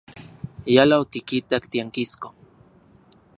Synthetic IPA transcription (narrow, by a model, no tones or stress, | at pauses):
jalaot̪ikit̪akt̪iaŋkisko